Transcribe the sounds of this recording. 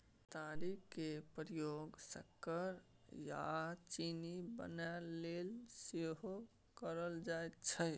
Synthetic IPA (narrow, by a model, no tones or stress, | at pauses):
t̪aɾikkepɾijoɡsəkːəɾ | ja̰t͡ʃinibə̰nalelseɦo | kəɾəld͡ʒaet̪t͡ʃʰə